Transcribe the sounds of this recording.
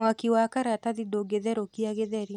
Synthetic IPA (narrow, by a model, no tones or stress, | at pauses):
akiwakaɾataðidoɡeðɛɾokiaɣeðɛɾi